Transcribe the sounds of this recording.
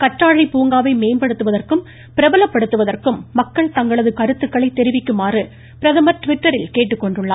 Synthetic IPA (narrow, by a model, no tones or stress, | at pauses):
kɐʈraːɻiɪpuːŋɡaːʋɐɪmeːnbɐɽɯt̪ːɯʋɐðɐrkɯm | pɪɾɐbɐlɐpːɐɽɯt̪ːɯʋɐðɐrkɯmːɐkːɐɭt̪ɐŋɡɐɭɐðɯkɐɾɯt̪ːɯkːɐɭɐɪt̪ːɛɾɪʋɪkːɯmaːrɯ | pɪɾɐðɐmɐɾʈʊʋɪʈːɐɾɪlkeːʈːɯkːɔɳɖɯɭːa̰ː